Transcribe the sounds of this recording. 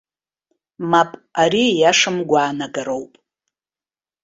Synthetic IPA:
mapʼaɾijaʂɨmɡʷaːnaɡaɾowpʼ

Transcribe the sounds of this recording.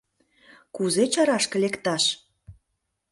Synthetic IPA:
kuzet͡ɕɑɾɑʃkə̆lekt̪ɑʃ

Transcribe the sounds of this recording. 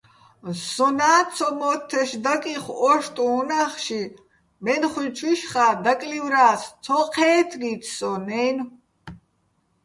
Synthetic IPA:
sɔnaːt͡sʰɔmɔt̪ʰːɛʃd̪akʼiχɔʃt̪ʼuːnaχʃi | mɛnχwit͡ʃʰʼwiʃχaːd̪akʼlivɾaːst͡sʰɔqʰɛːt̪ʰɡit̪ʰsɔnɛn

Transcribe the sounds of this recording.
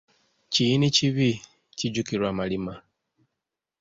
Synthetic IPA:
ciiniciβi | ciɟukiɾwaːmalima

